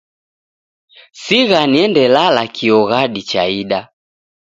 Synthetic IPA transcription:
siɣaniɛndɛlalakʰiɔɣaɗit͡ʃaiɗa

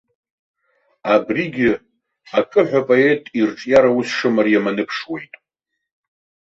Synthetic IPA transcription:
abriɡʲɪ | akʼɨħᶣʷapʼoe̞tʼirʈ͡ʂʼjaɾausʂɨmarjamanɨpʰʂwe̞jtʼ

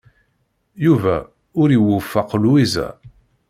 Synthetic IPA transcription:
juvæ̰ | ʊɾiwufːaqːluizæ̰

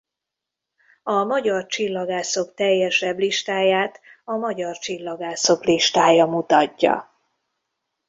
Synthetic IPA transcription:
ɒmɒɟɒrt͡ʃilːɒɡaːso̞kt̪ɛjːɛʃɛbliʃt̪aːjaːt̪ɒmɒɟɒrt͡ʃilːɒɡaːso̞kliʃt̪aːjɒmut̪ɒcːɒ̰

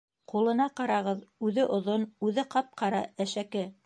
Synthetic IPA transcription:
qulˠɤ̆nɑqɑɾɑʁɤðʉðɘʔŏðonʉðɘqɑp̚qʰɑɾɑæʃækɘ

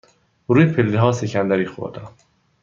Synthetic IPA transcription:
ɾuːjepʰelːiɦɒːsecʰænd̪æɾiːxo̰ɾd̪æm

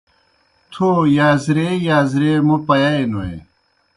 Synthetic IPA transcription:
t̪ʰojaːzɾejaːzɾemupɐjaenoḛ

